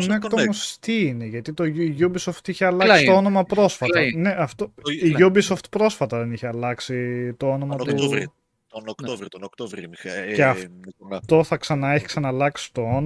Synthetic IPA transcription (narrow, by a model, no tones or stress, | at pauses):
nekt̪omost̪iine̞ʝɐt̪it̪o̞ʝubiso̞ft̪içeɐlɐkssit̪oo̞no̞mɐpɾo̞sfɐt̪ɐne̞ʔɐft̪oiʝubiso̞ft̪pɾo̞sfɐt̪ɐðe̞niçeɐlɐksit̪o̞ono̞mɐt̪u | onkt̪t̪k̪ovɾceɐft̪o̞θɐksɐnɐeçi̥ksɐnɐlɐksi̥t̪o̞on